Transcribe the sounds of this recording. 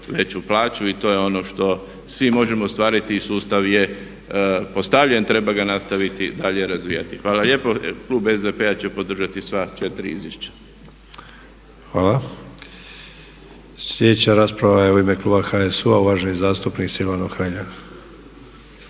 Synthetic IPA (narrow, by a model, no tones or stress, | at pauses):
ʋe̞t͡ʃuplaːt͡ʃuit̪o̞jeo̞no̞ʃt̪o̞ | sʋimo̞ʒe̞most̪ʋaːɾit̪iːsuːst̪aʋje̞ | po̞st̪aʋʎe̞nt̪ɾe̞baɡanast̪aʋit̪id̪aʎeɾazʋḭja̰t̪ixʋaːlalje̞po̞klˠuːbezd̪epeat͡ɕepo̞d̪r̩ʒat̪isʋat͡ʃe̞t̪ɾiḭzʋjeʃt͡ɕḁ | xʋaːla | sʎjed̪et͡ɕaɾaːspɾaʋajeuimeklˠuːbaxaesuauʋaːʒenizaːst̪upniksilanoɡxɾaʎa